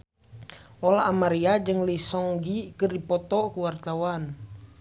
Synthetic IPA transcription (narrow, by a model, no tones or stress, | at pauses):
ʔɔlaːmaɾiad͡ʒɨŋlisɔŋɡikərdipɔt̪ɔkuwart̪awan